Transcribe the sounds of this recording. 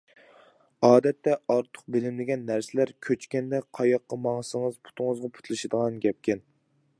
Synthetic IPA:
ɑːd̪ɛt̪ʰːɛɑɾt̪ʰə̥q̚bɪlɪmlɪɡʲɛnːæɾsɪlæɾkʲʰøt͡ʃkʲɛnd̪ɛqʰɑjɑqːɑmɑŋsɨŋəzpʰu̥t̪ʰʊŋəzʁɑpʰu̥t̪ʰlˠɨʃɨd̪əʁɑnɡʲɛp̚kʲɛn

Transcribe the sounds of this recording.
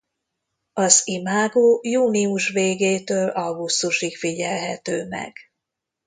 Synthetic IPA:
ɒzimaːɡoːjuːniuʃʋeːɡeːt̪øːlʔɒɡust̪uʃikfiɟɛlɦɛt̪øːmɛ̰ɡ̥

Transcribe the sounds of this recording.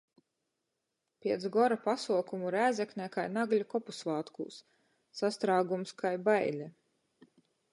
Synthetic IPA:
pʲiɛt̪sɡɔɾapasuɔkumuɾæːzɛkʲnʲɛkajnaɡlʲukɔpusvaːt̪kṵːsː | ast̪ɾaːɡumskajbajlʲɛ

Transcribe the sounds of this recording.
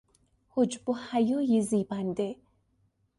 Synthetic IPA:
hʊd͡ʒbohajojiziːband̪e

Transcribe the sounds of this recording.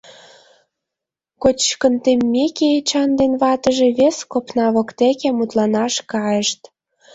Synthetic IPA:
kot͡ɕkənt̪emːeket͡ɕɑnd̪enβɑt̪ə̆ʒeβeskopnɑβɤ̆kt̪ekemut̪lɑnɑʃkɑjə̆ʃt̪

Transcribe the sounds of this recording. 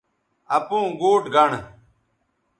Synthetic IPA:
əpũːɡuːʈɡʱəɳ

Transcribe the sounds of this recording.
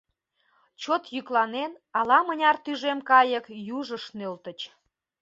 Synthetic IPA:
t͡ɕot̪jyklɑnenɑlɑmənʲɑrt̪yʒemkɑjəkjuʒəʃnølt̪ət͡ɕ

